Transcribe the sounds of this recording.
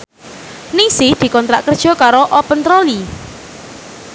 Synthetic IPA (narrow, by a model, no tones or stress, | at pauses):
niŋsɪhd̪̥i̤kɔnt̪ɾaʔkərd̥ʒ̥ɔ̤kaɾoʔɔpənt̪ɾoli